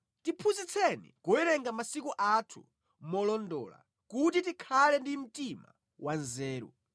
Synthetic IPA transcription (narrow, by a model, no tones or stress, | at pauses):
tipʰuzit͡sʰɛnḭkɔjɛɾɛŋɡamasikuʔatʰu̥̰ | mɔlɔndɔ̰ːla̰ | kutitikʰalɛndim̩tima̰ | wʔanzɛːɾṵ